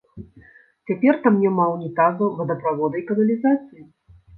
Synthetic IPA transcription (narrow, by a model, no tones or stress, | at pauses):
t͡sʲapʲɛrt̪amnʲɛmawnʲɛt̪azɐvɐd̪ɐpɾavɔd̪ɐjkɐnɐlʲizat̪sɨji